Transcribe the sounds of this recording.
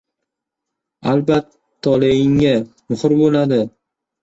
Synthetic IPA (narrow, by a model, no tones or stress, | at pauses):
albat̪ʰː | ɒlejɪŋa | mʊhʊɾbolad̪ɪ